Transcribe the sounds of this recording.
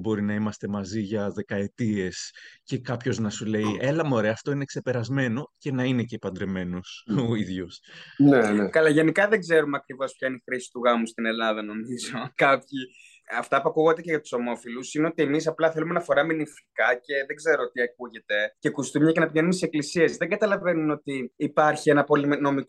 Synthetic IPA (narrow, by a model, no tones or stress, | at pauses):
bo̞ɾinɐimɐst̪e̞mɐziʝɐðe̞kɐe̞t̪ie̞sce̞kɐpço̞znɐsule̞iʔe̞lɐmo̞ɾe̞ɐːft̪o̞inekse̞pe̞ɾɐzme̞no̞ce̞nɐine̞cepɐnd̪ɾeme̞nosoiðʝusneekɐlɐʝenikɐðeɡze̞ɾumeɐkɾivo̞sp̚çɐinixɾisi̥t̪uɣɐmust̪ine̞lɐðɐno̞mizo̞kɐpçi | ɐft̪ɐpuɐkuɣod̪eceɣɐt̪u̥so̞mo̞filusineo̞t̪ie̞misɐplɐθe̞lumenɐfo̞ɾɐminifikɐce̞ðe̞ɡze̞ɾoot̪iɐk̚uʝe̞t̪e̞ce̞kust̪umɲɐce̞nɐpʝenunt̪iseklisie̞sðeŋɡɐt̪ɐlɐve̞nuno̞t̪iːpɐɾçie̞nɐpo̞lino̞mik